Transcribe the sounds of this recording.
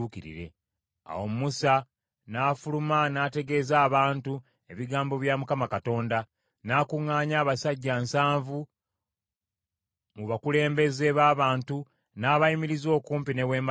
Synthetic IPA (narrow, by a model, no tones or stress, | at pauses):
ukiɾḭɾe̞̰ | a̰wo̞mumusa | naːfulumanate̞ɡe̞ːzaːβaːntu | e̞βiɡaːmbo̞βjamukamakato̞ːnda | naːkuŋːaːɲaːβasaɟːansaːɱvu | muβakule̞ːmbe̞ze̞βaːβaːntu | naːβajimiɾizo̞ːkuːmpine̞we̞ːma